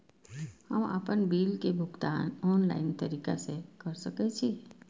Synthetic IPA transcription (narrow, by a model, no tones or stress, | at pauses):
həmə̰pənbiːlkebʱʊɡt̪a̰ːnɔːnla̰ːɪnt̪əɾiːka̰sekəɾsəkɛt͡ʃʰi